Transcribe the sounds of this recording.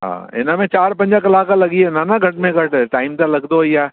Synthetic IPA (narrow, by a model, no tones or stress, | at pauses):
ɦã̰ːḛnamẽt͡ʃaːɾpɐ̃ɲd͡ʒakɐlaːkalɐɡienanaɡʱɐʈmẽɡʱɐʈʈaːɪmt̪alɐɡd̪ojaː